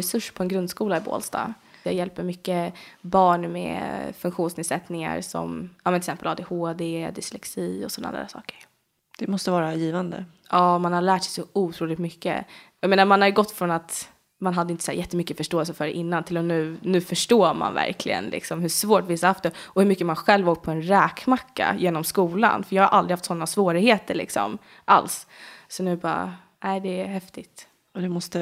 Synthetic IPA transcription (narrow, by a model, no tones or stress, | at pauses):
ɾɛsɵʂːpʰɔɛnɡɾɵnd̪skuːlaɪbo̰ːlst̪ɑ̰ː | ja̰jɛlpəɾmʏkːəbɑːɳmɛ̰fɵŋkɧuːnsnɪːd̪sɛt̪nɪŋa̰ɾsɔ̰mɑːmɛnɪlsɛmpəlɑːd̪eːhoːd̪ed̪ɪslɛksiːɔsɔnːa̰d̪̰d̪æ̰ːsɑ̰ːkə̥ɾ | d̪̥ɛmɔst̪əvɑːɾajiːvand̪ə̰ | ɑːmanhaɭæːʈʂɛjsɔuːt̪ʰɾuːlɪt̪mʏkːə̰jameːnaɾmanhaɾjʏɡɔt̪ːfɾɔnat̪ | manɦad̪ːəɪnt̪əsæːɾjɛt̪ːəmʏkːəfœʂʈoːɛlsəfœɖɛʔɪnːant̪ʰɪlːɔnʉ̟ːnʉ̟ːfœʂʈoːma̰nvæ̰ɾkʰlɪ̰ɡə̰nlʔɪ̰ksɔmhɵʂvoːʈvɪsahaft̪d̪ɛɔhɵɾmʏkːəmanɧɛlvɔkt̪̚pʰɔɛnɾɛːkmakːa̰jeːnɔmskuːla̰nfœɾjɑːɡhaɾʔald̪ɾɪhaft̪sɔnːasvoːɾɪheːt̪əɭɪ̰ksɔ̰m | ʔa̰lssɔnʉ̟ːbɑːɾa̰ | næɪd̪ɛæhɛft̪ɪt̪ | ɔd̪ɛmɔst̪ə